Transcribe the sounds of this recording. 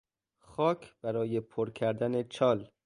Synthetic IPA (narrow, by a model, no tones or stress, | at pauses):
xɒːcʰb̥æɾɒːje̞pʰoɾkʰæɾd̪æne̞t͡ʃʰɒːl